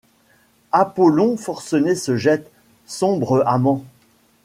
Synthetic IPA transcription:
apɔlɔ̃fɔʁsɔnesəʒɛt̪ | sɔ̃bʁəʔamɑ̃

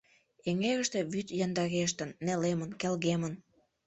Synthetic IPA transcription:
eŋeɣəʃt̪ĕβyt̪jɑnd̪ɑɣeʃ̬t̪ə̆nːelemənkelɣemən

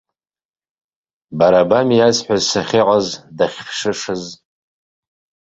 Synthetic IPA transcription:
baɾabamijazħʷᶣazsaχʲɪqʼazdaχʲʂɨʂɨz

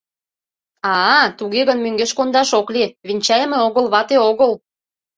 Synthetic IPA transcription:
ɑt̪uɣeɣə̆nmøŋɡeʃkond̪ɑʃokleβinʲt͡ɕɑjmeoɣəlβɑt̪eoɣəl

